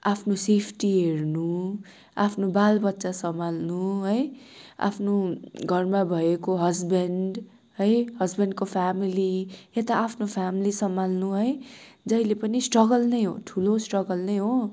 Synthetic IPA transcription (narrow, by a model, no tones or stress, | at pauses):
apʰnosepʰʈiɦeɾnu | apʰnobalbʌt̪ːsasʌmalnuɦʌja̰pʰnoɡʱʌrmabʱʌekoɦʌzbʌnɖ | ɦʌjhʌzbʌnɖ̚kopʰamiliet̪aapʰnopʰamilisʌmalnuɦʌj | d͡zʌilepʌnisʈrʌɡʌlnʌjɦo̰ʈʰulosʈrʌɡʌlnʌjɦo